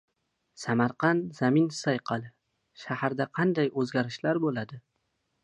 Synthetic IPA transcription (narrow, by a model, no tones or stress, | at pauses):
samaɾqɑnzamɪnsajqʰɑlˠɪ | ʃahaɾd̪aqʰɑnd̪ajɵzɡʲaɾɪʃlaɾbolad̪ɪ